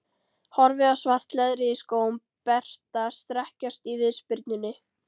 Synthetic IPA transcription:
hɔɾvɪasvar̥t̪lɛðɾɪskoːwm | pɛr̥t̪ast̪ɾɛhcast̪ivɪðspɪɾt̪nʏnːɪ

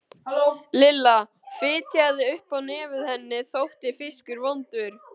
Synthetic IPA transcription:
lɪlːa | fɪːt̪ʰjaðɪʏhpawnɛːvɪðhɛnːɪθowht̪ɪfɪskʏɾvɔnt̪ʏɾ̥

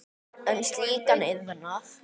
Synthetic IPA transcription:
ɛnst̪liːkanɪðvɛnaθ

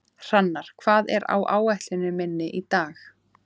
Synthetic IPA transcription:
r̥anːaɾ̥kʰv̥aːðɛɾa̰wʔa̰ːwɛjht̪lɪnʏmɪnːɪʔit̪aːx

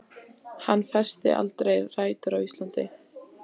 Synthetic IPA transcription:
hanːfɛ̥st̪ɪ̰ʔa̰lt̪ɾejraːjt̪ʏɾawist̪lant̪ɪ

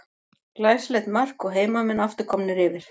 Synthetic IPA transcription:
laːjslɛt̪mar̥kɔɣɦeːjmamɛnaft̪ɪɾ̥kʰɔmnʏɾɪvɪɾ̥

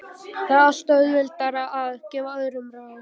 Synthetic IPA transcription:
θaðast̪œðvɪlt̪aɾaʔaðcɛːvaœðɾʏmɾaːðɪ

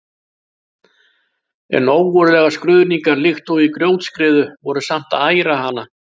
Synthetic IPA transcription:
ɛ̰nːoːwvɔɾʏlɛːɣaskɾʏðniŋkaɾlɪxt̪ɔwikɾjoːwt̪skɾɪːðʏvɔɾʏsam̥t̪aːjɾaɦanːa

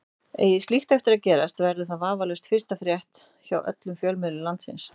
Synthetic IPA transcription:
ḛːjɪsliht̪ɛft̪ɪɾaðcɛːɾast̪vɛɾðʏθaðvaːvalɛst̪fɪ̥st̪afɾjɛht̪ | çawʔœ̰t̪lʏmfjœːlmɪðlʏlant̪sɪ̰ns

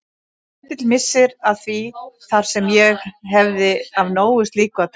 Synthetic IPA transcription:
t̪ɪt̪lmɪsːɪɾaðθviθaɾ̥sɛmjɛxɦɛvðɪavnoːwʏst̪liːkʏaðt̪ʰ

